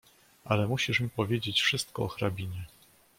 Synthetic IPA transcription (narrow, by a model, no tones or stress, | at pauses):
ʔalɛmuɕiʂmʲipɔvʲjed͡ʑet͡ɕfʂɘst̪̚kɔɔxɾabʲiɲɛ